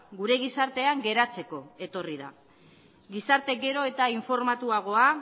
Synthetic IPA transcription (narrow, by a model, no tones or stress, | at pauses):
ɡuɾe̞ɣ̞isaɾt̪e̞aŋɡe̞ɾat͡se̞ko̞e̞t̪o̞riða̰ | ɡisaɾt̪e̞ɡe̞ɾo̞e̞t̪aiɱfo̞ɾmat̪uaɣ̞o̞a